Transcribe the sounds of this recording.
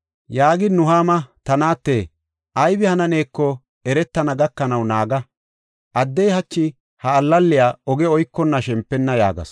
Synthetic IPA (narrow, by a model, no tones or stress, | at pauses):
jaːɡɪd̪nʊɦaːmɐt̪ɐnaːt̪ːeː | ʔɐjbɪhɐnɐne̞ːkːɔ | ɛɾɛt̪ːɐnɐɡɐkːɐnɐwnaːɡɐ | ʔɐd̪ːɛjhɐt͡ʃːɪ | hɐːlːɐlːɪjaːɔɡɛɔjkːɔnːɐʃɛmpːɛnːɐja̰ːɡɐ̰s